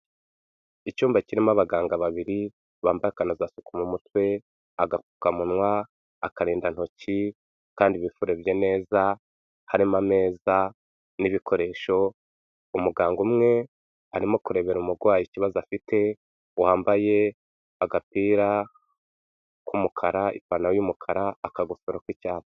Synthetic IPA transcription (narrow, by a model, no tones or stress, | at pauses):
icuːmbaciɾimaβaɡaːŋɡaβaβiɾi | βaːmbajakanozasu̥kumumutwe̞ | aɡakukamunwaː | kaɾiːndan̥ho̞ci | kaːndiβifuɾeβjene̞ːza | haɾimame̞ːza | niβikʰo̞ɾe̞ʃo̞ | umuɡaːŋɡumŋe̞ | aɾimo̞kuɾe̞βe̞ɾumuɾɡwaːjiciβazafitʰe̞ | waːmbaje̞ | aɡapiːɾa | kumukʰaɾaḭpanawjumukʰaɾaːkaɡusoɾokwicaːt